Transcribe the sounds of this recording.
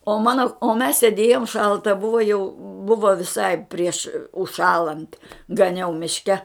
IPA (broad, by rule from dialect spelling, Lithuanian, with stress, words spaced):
oː ˈmɑːnoː oː mʲɛs sʲeːˈdʲeːjoːm ˈʃɐlˠtɐ ˈbʊʋoː jɛʊ ˈbʊʋoː ʋʲɪˈsɐɪ pʲrʲiɛʃ ʊʃˈʃɑːlˠɐnt ɡɐˈnʲɛʊ mʲɪʃʲˈkʲɛ